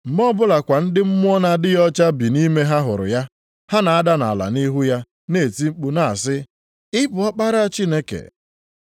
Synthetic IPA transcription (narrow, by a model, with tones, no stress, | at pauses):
m̩˨m˦ɔ˦bʊ˦la˨kʷa˨n̩˦dɪ˦m̩˦mʊ˦ɔ˦na˦dɪ˦jɔ˦t͡ʃa˦bi˨ni˦me˦ɦa˦ɦʊ˨ɾʊ̰˨ja˦ | ha˦na˨a˦da˦na̰˨a˨la̰˨ni˦ɦu˦ja˦ | ne˦˨ti˦ŋ͡m̩˦k͡pu˦na˨a˨sɪ˦ | ɪ˦bʊ˨ɔ˦k͡pa˦ɾa˦a˦t͡ʃi˦ne˦kḛ˨